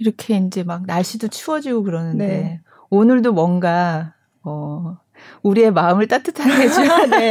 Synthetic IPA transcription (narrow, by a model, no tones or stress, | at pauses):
iɾʌkʰe̞ind͡ʑe̞mak̚naɭɕ͈idot͡ɕʰuwʌd͡ʑiɡokɯɾʌnɯndde̞ | onɯɭdomwʌnɡa | ʌ | uɾie̞maɯmɯɭt͈atʰɯtʰanɡed͡ʑi